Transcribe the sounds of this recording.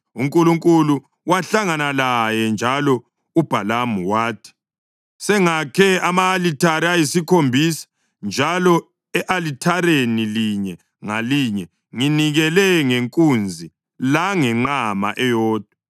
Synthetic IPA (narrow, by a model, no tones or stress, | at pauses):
uŋkʼuluŋkʼulu | waɬaŋanalajɛnd͡ʒʱalɔ | ub̥ʱalamuwaːtʰi̥ | sɛŋakʰɛamaːlitʰaɾiajisikʰombʱisḁ | nd͡ʒʱalɔ | ɛʔalitʰaɾeniliɲɛ | ŋaliɲɛ | ŋiniɣɛlɛŋeŋkʼund͡zʱi | laŋɛŋ͡ǃama̰ʔɛjɔːd̥ʱwa